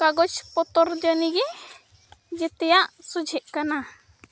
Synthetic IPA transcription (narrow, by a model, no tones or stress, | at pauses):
kaɡɔt͡ʃpɔt̪ɔɾd͡ʒəniɡɛ | d͡ʒɛt̪ɛjaʔsud͡ʒʱɛʔkana